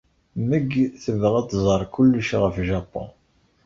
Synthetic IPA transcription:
məɡθəvʁæt̪ːzˤəɾˤkʊlːuʃʁəfʒɑpːõ̰n

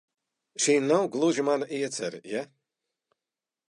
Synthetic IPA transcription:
ʃiːnawɡlˠuʒimanaʔiɛt̪sɛ̰ɾḭja

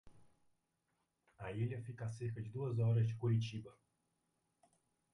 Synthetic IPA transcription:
ajelʲafikasexət͡ʃd̪uwəzɔɾəʃ̬kuɾʲit͡ʃibə

